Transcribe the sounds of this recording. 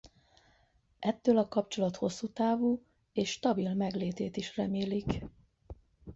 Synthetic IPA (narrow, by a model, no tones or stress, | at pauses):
ʔɛt̪ːøːlɒkɒpt͡ʃo̞lɒt̪ho̞sːuːt̪aːvuː | eːʃʃt̪ɒbilmɛɡleːt̪eːt̪iʃrɛmeːlik